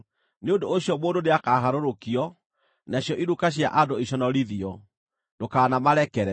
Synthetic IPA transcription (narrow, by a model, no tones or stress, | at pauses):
neondooɕjɔmoːndoneakaːɦaɾoɾokiɔ | naɕjɔʔiɾukaɕ̬ja̰ʔandoiɕɔnɔɾiðiɔ | dokaːnamaɾɛkɛɾɛ